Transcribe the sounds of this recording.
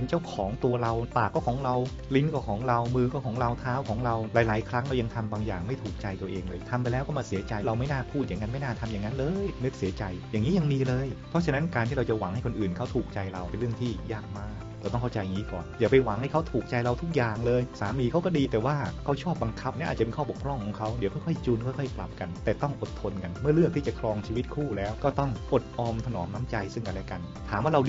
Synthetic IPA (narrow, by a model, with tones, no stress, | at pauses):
e˧nt͡ɕa˥˩wkʰɔː˩˦ŋt̪u˧ɐɾa˧wpaː˨˩kːɔː˥˩kʰɔː˩˦ŋɾa˧w | li˦˥nkɔː˥˩kʰɔː˩˦ŋɾa˧wmɯː˧kɔː˥˩kʰɔː˩˦ŋɾa˧wt̪ʰaː˦˥wkʰɔː˩˦ŋɾa˧wlaː˨˦jlaː˨˩˦jkʰɾa˦˥ŋɾa˧wja˧ŋt̪ʰa˧mbaː˧ŋjaː˨˩ŋma˥˩jt̪ʰuː˨˩k̚t͡ɕa˧jt̪u˧ɐʔeː˧ŋlɤː˧jt̪ʰa˧mpa˧jlɛː˦˥wkɔː˥˩maː˧si˨˩˦ɐt͡ɕa˧jɾa˧wma˥˩jnaː˥˩pʰuː˥˩t̪̚ja˨˩ŋːa˦˥nma˥˩jnaː˥˩t̪ʰa˧mja˨˩ŋːa˦˥nlɤː˧jnɯ˦˥k̚si˩˦t͡ɕa˧jjaː˨˩ŋːiː˦˥ja˧ŋmiː˧lɤː˧jpʰɔ˦˥t͡ɕʰna˦˥nkaː˧nt̪ʰiː˥˩ɾa˧wt͡ɕa˨˩wa˨˩˦ŋha˥˩jkʰo˧nʔɯː˨˩nkʰa˦˥wt̪ʰuː˨˩k̚t͡ɕa˧jɾa˧wpe˧nɾɯ˥˩əŋt̪ʰiː˥˩jaː˥˩k̚maː˥˩kk̚ː | aː˧˩t̪ɔ˥˩ŋkʰa˥˩t͡ɕa˧ja˨˩ŋi˦˥kɔ̰ː˨˩njaː˨˩k̚pa˧jwa˨˩˦ŋha˥˩jkʰwt̪ʰuː˨˩k̚t͡ɕa˧jɾa˧wt̪ʰu˦˥k̚jaː˨˩ŋlɤː˧jsaː˩˦miː˧kʰa˦˥wkɔ˥˩diː˧t̪ɛː˨˩waː˥˩kʰa˦˥˩wt͡ɕʰɔː˥˩p̚ba˧ŋkʰa˦˥p̚ni˥ʔaː˨˩t͡ɕa˨pe˧nkʰɔː˥˩bo˨˩kpʰɾɔ˥˩ŋkʰɔː˨˩˦ŋkʰa˦˥wdi˨˦kʰɔ˥˩jkʰɔ˥˩jt͡ɕuː˧nkʰɔ˥˩jkʰɔ˥˩jkla̰˨˩p̚ka˧nt̪ɛː˨˩t̪ɔ˥˩ŋʔo˨˩t̪ʰːo˧nka˧nmɯ˥˩ɐɾɯ˥˩ək̚t̪ʰiː˥˩t͡ɕa˨˩kʰɾɔː˧ŋt͡ɕʰiː˧wi˦˥t̪̚kʰuː˥˩lɛː˦˥wkɔː˥˩t̪ɔ˥˩ŋʔo˨˩t̪̚ʔɔː˧mt̪ʰa˧nɔː˩˦mna˦˥mt͡ɕa˧jsɯ˥˩ŋʔa˧lɛː˦˩ka˧n | t̪ʰaː˩˦mwaː˥˩ɾa˧w